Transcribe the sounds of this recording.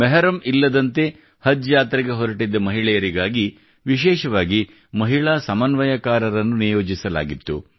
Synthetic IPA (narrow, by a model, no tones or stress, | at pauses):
mɛɦɐɾɐmilːɐd̪ɐnt̪e̞ | hɐd͡ʒjaːt̪ɾɐɡe̞ɦɔɾɐʈid̪ːɐmɐɦiɭɛjɐɾiɡaːɡi | ʋiʃɛːʃɐʋaːɡi | mɐɦiɭaːsɐmɐnʋɐjɐkaːɾɐɾɐnːunijo̞ːd͡ʒisɐla̰ːɡit̪ːu